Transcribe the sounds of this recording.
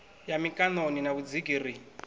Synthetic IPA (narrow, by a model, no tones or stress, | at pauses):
jamikʼanoninaβud͡ziɡiːri